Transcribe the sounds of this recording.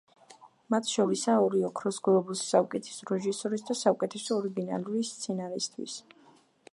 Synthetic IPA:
mat̪ʰʃɔɾisaɔɾiɔkʰɾɔsɡlɔbusːaukʼɛt̪ʰɛ̥sɾɛʒisɔɾisd̪asaukʼɛt̪ʰɛsɔɔɾiɡina̰luɾist̪sʰɛnaɾist̪ʰwḭs

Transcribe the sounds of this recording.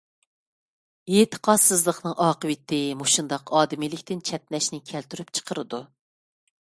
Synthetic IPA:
et̪ʰə̥qʰɑsɨzlˠəχnɨŋɑːqəwɪt̪ʰːɪmoʃund̪ɑqɑːd̪ɪmilɪkʲt̪ɪnt͡ʃʰɛt̪nɛʃnɪkʲʰɛlt̪ʰyɾypt͡ʃʰə̥qʰəɾɨd̪u

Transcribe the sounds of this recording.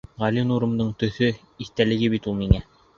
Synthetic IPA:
ʁɑlinuɾɤ̆md̪ɤɴt̪ɵ̆θɵ | iθt̪ælɘ̆ɡɘβit̪ulˠmiŋæ

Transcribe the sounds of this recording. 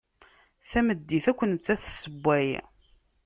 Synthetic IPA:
θæməd̪ːiθækʷːənt͡s̪ːæθsəbʷːæj

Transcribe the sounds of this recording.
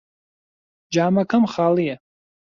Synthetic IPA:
d͡ʒaːmakʰamχalija

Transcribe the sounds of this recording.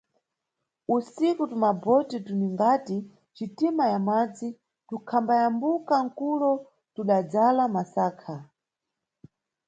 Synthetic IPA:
usikutumabɔtituniŋɡati | t͡ʃitimajamad͡zi | tukʰambajambukaŋ̩kulɔ | tuɗad͡zalamasaːkʰa

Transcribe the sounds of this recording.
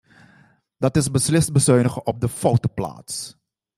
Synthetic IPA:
dɑtɪsbəslɪst̚bəsøɥnəχəʔɔp̚dəfowtopla̰ːts

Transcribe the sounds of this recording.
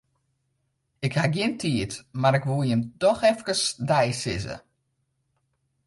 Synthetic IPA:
ɪkhaɡjɪntʰiətmaɾɪkʋujəmtɔxɛfkəsdɛjsɪ̰zə̰

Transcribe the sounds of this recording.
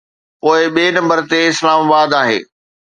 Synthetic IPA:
poːɪɓeːnɐ̃mbəɾt̪eɪslaːmabaːd̪aːɦḛː

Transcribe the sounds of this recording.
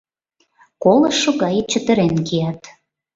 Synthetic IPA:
koləʃːoɣɑjet͡ɕə̆t̪ə̆ɾenkijɑt̪

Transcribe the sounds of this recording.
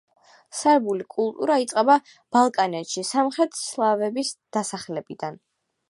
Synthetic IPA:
saɾbulikʼulˠt̪ʼuɾait̪sʼqʼɛba | b̥alˠkʼanɛt̪ʃisamχɾɛt̪ʰslˠavɛbisd̪̥asaχlɛbid̪an

